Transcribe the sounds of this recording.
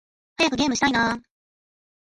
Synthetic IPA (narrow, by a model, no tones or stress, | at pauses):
hajakɯ̟ɡʲe̞ːmɯ̟ɕit̪ainaː